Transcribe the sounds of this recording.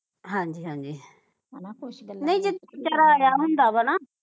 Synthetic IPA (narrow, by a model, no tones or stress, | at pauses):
ɦãːɲd͡ʒiːɦãːɲd͡ʒiː | nɐĩd͡ʒɪt̪t͡ʃaɾajaɦʊ̃nd̪aːbənã